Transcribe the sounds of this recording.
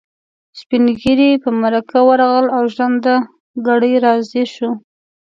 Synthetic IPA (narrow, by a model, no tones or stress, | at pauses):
spinɡiɾipəmaɾakawaɾɑɣəlawʒwand̪a | ɡaɽəjɾɑzeʃu